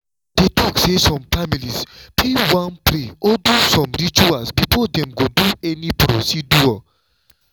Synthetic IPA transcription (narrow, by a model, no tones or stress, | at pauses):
d̥etʰɔksesɔ̃mfamilispʰewãnpɾeɔdusɔ̃mɾit͡ʃuasbifɔdɛ̃mɡoduɛnipɾosidua